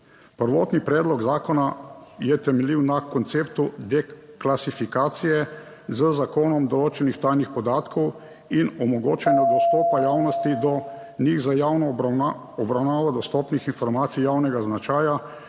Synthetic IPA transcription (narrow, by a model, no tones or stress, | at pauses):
pəɾʋɔːt̪nipɾɛːd̪lɔɡzaːkɔnajɛt̪ɛmɛliwnakɔnt̪seːpt̪ud̪ɛklasifikaːt̪sijɛ | zəzakoːnɔmd̪ɔloːt͡ʃɛnixt̪aːjnixpɔd̪aːt̪kʰɔw | inɔmɔɡoːt͡ʃɛnjɔd̪ɔst̪ɔːpajaːwnɔst̪id̪ɔ | niɣzajawnɔ | ɔbɾawnaːʋad̪ɔst̪ɔːpnixinfɔɾmaːt̪sijaːwnɛɡaznat͡ʃaːja